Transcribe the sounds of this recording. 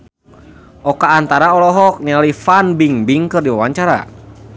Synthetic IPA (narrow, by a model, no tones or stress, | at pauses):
ʔɔkaːnt̪aɾaɔlɔɦɔk̚ɲalifanbiŋbiŋkɨrdiwawaɲt͡ʃaɾa̰